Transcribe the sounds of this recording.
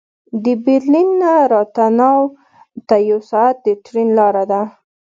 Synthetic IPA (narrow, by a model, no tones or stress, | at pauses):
d̪əbɪɾlinːaɾɑt̪anɑw | t̪ajawsɑat̪̚d̪əʈɾinlɑɾad̪a